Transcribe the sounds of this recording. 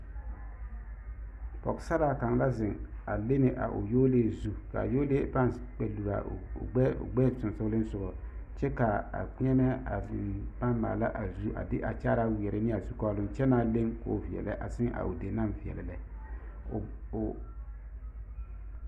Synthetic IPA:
pɔ˨ksa˦ɾa˦ka˨ŋ˦la˦zɪ˨ŋa˨le˦nɪ˨ʔa̰˨ʔʊ̰˨joː˦le˦zu˦ka̰˨joː˦le˦pa˦nk͡pɛ˨lu˨ɾa̰˨ɛ̰˦˨ɡ͡bɛ˦sʊ˨nsʊ˦lɪ˦n˦sʊ˨ɡɔ˨t͡ʃɛ˦ka˨a̰˨˦ɛ˦mɛ˦a˨ɪ˨pa˦mːa̰ː˨la˦ʔa˨zu˦ʔa̰˨dɪ̰˦ʔa˨t͡ʃa˦ɾa˦wɛ˨ɾɪ˦nɪ˦a˨zu˦kɔ˦lʊ˦mt͡ʃɛ˦naː˦le˦ŋko̰˦vi˨ɛ̰˨lɛ̰˦ʔa̰˨sɪ˦ŋʔa̰˨ʔo˨de˨na˦˨mvi˨ɛ̰˨lɛ˨lɛ˦˨

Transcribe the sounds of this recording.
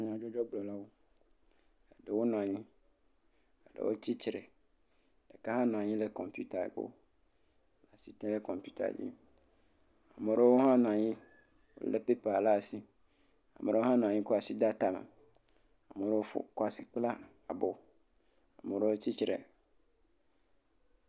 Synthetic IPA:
ɲ˦˨ã˨d͡ʒɔ˦d͡ʒɔ˦ɡ͡blɔ˨la˦wo˦ | a˨ɖe˨wo˦nã˨ɲĩ˦ | a˨ɖḛ˨wo̰˦t͡ɕi˦t͡ʃɾe˨ | ɖe˨ka˦hã˦ñ˨ɲĩ˦le˨kɔ˨mpju˦t̪a˨bo̰˦˨ | la˨si˨t̪ɛ̃˦le˦kɔ̃˨mpju˦t̪a̰˨d͡ʑḭ˦ | a˨mẽ˨ɾe˦wo˦ɦã˦ñ˨a˨ɲĩ˦ | wo̰˦le˦pe˦pa˨a˨la˦˨si˦ | a˨me˨ɾo˦ɦã˦ñ˨a˨ɲĩ˦kɔ˦a˨si˦d̪a˦t̪a˨mḛ˨ | a˨mẽ˨ɾe˦wo˦fo̰˦kɔ˦a˨si̥˦k͡pla˦ | a˨bo˨ | a˨me˨ɖe˦wo˦t͡ɕi˦t͡ɕɾḛ˨

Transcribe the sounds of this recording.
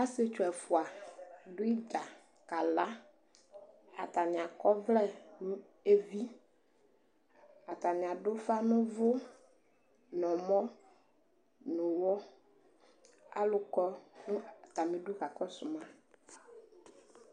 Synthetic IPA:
a˦se˦t͡ʃo˨ɛ˨fu˨a˨ɖʊ˦i˦d͡ʒa˨ | ka˨la˦ | a˨t̪a˨nĩ˨a˨kɔ˦vlɛ˦nũ˦ | e˦vi˦ | a˨t̪a˨nĩ˨a˨ɖo˦fa˦nʊ̃˦vo˦ | nɔ̃˨mɔ̃˦ | nʊ̃˨wɔ˦ | a̰˦lʊ˨kɔ˦nũ˦˨t̪a˨mẽ˨ɖo˦ɣa˨kɔ˦su˨mã˦

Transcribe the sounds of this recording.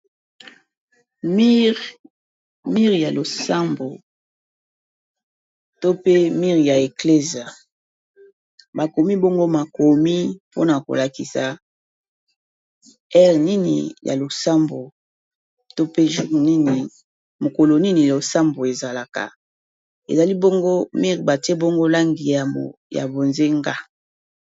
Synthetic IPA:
mi˦ | mi˦ʁja˨lo˨sa˦mbo˨ | to˦pe˦mi˦ʁja˨e˨kle˦zi˨a˨ | ba˨ko˨mi˦bo˦ŋɡo˦ma˨ko˨mi˦po˦na˨ko̰˨la˨ki˨sa˨ | ɛ˦ʁni˦nḭ˨jʔa̰˨lo˨sa˦mbo˨ | to˦pe˦ʒu˦ʁni˦ni˨ | mo˨ko˨lo˨ni˦ni˨jo˨sa˦mbo˨e˨za˨la˨ka̰˨ | ḛ˨za˨li˦bo˦ŋɡo˦mi˦ʁba˨te˦bo˦ŋɡo˦la˦ŋɡi˨a˨ | ja̰˨bo˨nze˦ŋɡa˦

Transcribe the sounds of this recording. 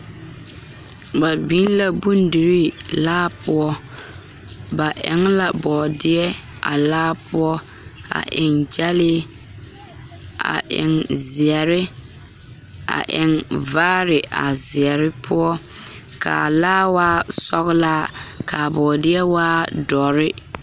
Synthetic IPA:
ba˨bi˦n˦la˨bu˦ndi˨ɾɪ˦laː˦pʊ˦ɔ˦ | ba˨ʔɛ̰˨ŋla˨bɔː˨dɪ˦ɛ˦a̰˨laː˦pʰʊ˦ɔ˦ | a̰˨ʔɪ˨ŋd͡ʒa˦lɪ˦ | a̰˨ʔɪ̰˨ŋzɪ˨ɛ˨ɾɪ˦ | a̰˨ʔɪ˨ŋvaː˦ɾɪ˨ʔa̰˨zɪ˨ɛ˨ɾɪ˦pʰʊ˦ɔ˦ | kʰa̰˨laː˦waː˦sɔ˦ɣlaː˦ka˨bɔː˨dɪ˦ɛ˦waː˦dɔ˨ɾɪ˦

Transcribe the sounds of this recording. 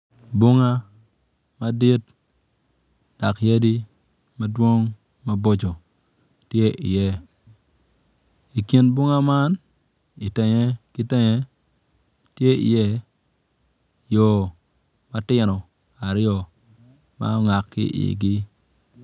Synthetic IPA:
bʊ˦ŋa˦ | ma˦di˦t | d̥a˨kje˦di˦ | ma˦dwo˦ŋ | ma˦bo˦d͡ʒɔ˨ | tje˦ʔḭ˨jɛ˦ | i˨ki˦nbʊ˦ŋa˦ma˦n | ɪ˨tɛ˨ɲɛ˦kɪ˦tɛ˦ɲɛ˦ | tje˦ḭ˨jɛ˦ | jɔ˨ | ma˦tɪ˦nɔ˨ | a˨ɾɔ˨ | ma̰˦ŋa˨kːɪ̰˦ʔɪ̰˨ɡɪ˦

